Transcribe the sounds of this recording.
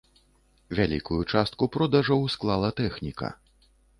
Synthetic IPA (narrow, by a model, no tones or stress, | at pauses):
vʲalʲḭkujut͡ʂast̪̚kupɾɔd̪aʐɐwsklˠalˠɐt̪ɛxnʲikɐ̰